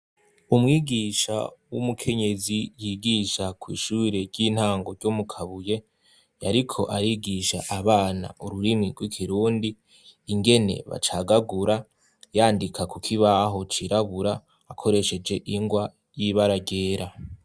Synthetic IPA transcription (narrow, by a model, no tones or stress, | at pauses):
umŋiːɡiːʃa̰wumukʰe̞ɲe̞zijiːɡiʃakwḭːʃuːɾe̞ɾɟiːn̥haːŋɡo̞ɾɟomukʰaβuje̞ | jaɾikʰo̞̰ʔaɾiɡiʃaʔːβaːna̰ʔuɾuɾimŋiɡwikʰiɾuːndiː | ŋɡe̞ne̞̰βa̰t͡ʃaɡaɡuɾa | jaːndikʰakukʰiβaɦo̞t͡ʃiɾaβuɾaː | kʰo̞ɾe̞ʃe̞d͡ʒe̞ʔiŋɡwa | jiβaɾaɟe̞ːɾa